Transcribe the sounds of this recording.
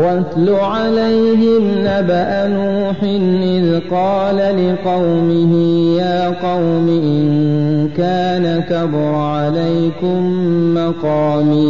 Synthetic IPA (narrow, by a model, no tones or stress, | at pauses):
wat̪lʊʕalajɦɪnːabaʔanuːħɪnɪðqɑːlalɪqɑwmɪhɪjaːqɑwmɪʔɪnkaːnakabɾʕalajkʊmːɑqɑːmiː